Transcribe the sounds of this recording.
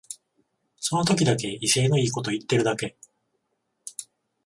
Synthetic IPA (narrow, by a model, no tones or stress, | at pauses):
so̞no̞t̪o̞kʲid̪ake̞ise̞ːno̞iːko̞t̪o̞it̪ːe̞ɾɯ̟d̪ake̞